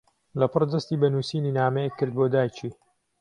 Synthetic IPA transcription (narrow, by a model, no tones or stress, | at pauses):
lɐpʰɨrd̪ɐst̪iːbɐnuːsiːniːnaːmɛjekʰːɨɾd̪̚boːd̪aːjt͡ʃʰiː